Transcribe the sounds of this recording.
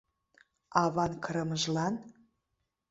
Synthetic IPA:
ɑβɑnkəɾə̆məʒlɑn

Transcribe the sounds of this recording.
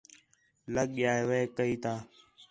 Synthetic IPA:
ləɠɪjaːeːʋeːkəiːt̪ʰaː

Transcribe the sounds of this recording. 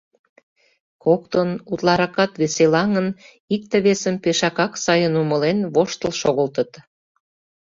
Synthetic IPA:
kokt̪ənut̪lɑɾɑkɑt̪βeselɑŋən | ik̚t̪eβesəmpeʃɑkɑksɑjənuməlenβoʃt̪əlʃoɣəlt̪ə̆t̪

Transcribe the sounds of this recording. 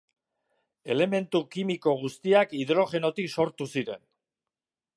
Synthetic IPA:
e̞le̞me̞nt̪ukimiko̞ɣ̞ust̪iakiðɾo̞ʝe̞no̞t̪ikso̞ɾt̪usiɾe̞n

